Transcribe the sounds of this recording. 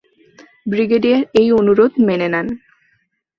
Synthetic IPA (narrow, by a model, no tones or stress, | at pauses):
bɾiɡeɖieɾejonuɾod̪menenan